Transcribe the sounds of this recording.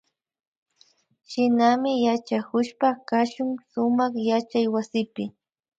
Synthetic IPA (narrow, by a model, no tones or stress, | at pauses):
ʃɪnamɪjat͡ʃakʊʃpakaʃʊŋsʊmɑχjat͡ʃajwasɪpɪ